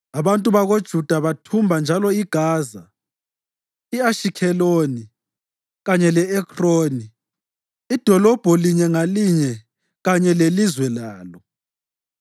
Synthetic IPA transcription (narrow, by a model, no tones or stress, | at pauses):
aβantʼuβaɣod̥ʒ̥ʱud̥ʱaβatʰumbʱand͡ʒʱalɔiɡ̥ʱaːza | iaʃikʰɛloːni | ɣaɲɛlɛɛkʰʼroːni | id̥ʱɔlɔb̥ʱɔliɲɛŋaliɲɛ | ɣaɲɛlelizwɛlaːlɔ